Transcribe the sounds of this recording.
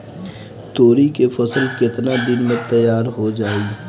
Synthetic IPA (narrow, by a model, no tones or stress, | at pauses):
t̪oːɾikefɐsəlkɪt̪nad̪ɪnmẽt̪ɐjaːɾɦod͡ʒaːiː